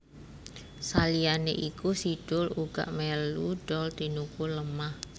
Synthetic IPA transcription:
salianḛʔikusiɖ̥ʊluɡ̥a̰ʔmeluɖ̥ɔlt̪inukuləmah

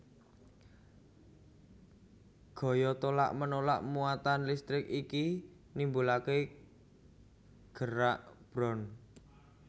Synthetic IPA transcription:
ɡ̥ɔ̤jɔt̪ola̰ʔmənola̰ʔmuat̪anlist̪ɾɪkiki | nimbulake | ɡ̥əɾaʔb̥ɾɔn

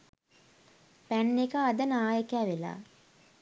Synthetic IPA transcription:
pænːekəːd̪ənaːjəkæːʋela̰ː

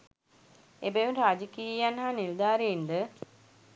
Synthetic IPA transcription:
ebejunɾaːd͡ʒəkiːjanɦaniɾd̪aːɾejind̪ə

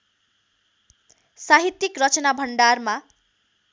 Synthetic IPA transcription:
saɦit̪ːjikrʌt͡sʌnabʱʌɳɖarma

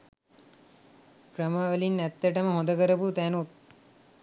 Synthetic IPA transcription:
krəmaʋəlinːæt̪ːəʈəməɦõnd̪əkəɾəput̪ænut̪̚

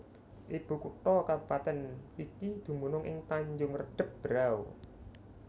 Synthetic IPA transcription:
ʔeb̥ṳkuʈɔkaupat̪ɛnik̪id̪̥ṳmunʊŋʔɪ̰ŋt̪aɲd͡ʒʊŋrəɖ̥ə̤p̚b̥əɾaw

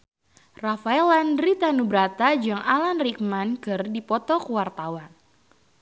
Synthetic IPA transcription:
rafaɛlandɾit̪anubɾat̪ad͡ʒaŋalanrik̚mankɨrdipɔt̪ɔkəwart̪awan

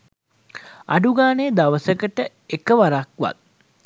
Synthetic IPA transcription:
a̰ɖuɡaːneːd̪aʋəsəkəʈə | ekəʋaɾakʋa̰t̪̚

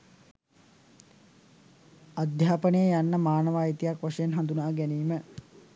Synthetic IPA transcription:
ad̪ʱjaːpənəjəjanːəmaːnəʋaːjit̪ijakʋaʂejenɦand̪unaːɡɛniːmə

